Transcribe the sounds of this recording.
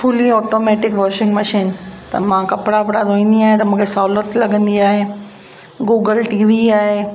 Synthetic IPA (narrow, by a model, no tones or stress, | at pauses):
fʊliɔːʈoːmeːʈɪkʋɔːɾʃɪ̃ŋɡməʃiːnt̪ɐ̰mãkɐpɽapɽad̪ʱoːĩːnd̪iaːɦẽt̪ɐmũːkʰesaːʊlət̪lɐɡə̃nd̪iaːɦe | ɡuːɡəlʈiːʋiaːɦe